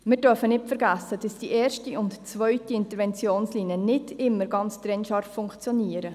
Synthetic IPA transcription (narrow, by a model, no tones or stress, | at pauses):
mɪːɾdœɾfənɪtfəɾɡæsːəd̥ɑsd̥iʔɛːrʃtiʊntt͡svœʏtiɪntəɾʋɛnt͡sjoːnsliːnjənɪdɪmːəɾɡɑnt͡stɾɛnʃɑːɾffʊŋkt͡sjoniəɾə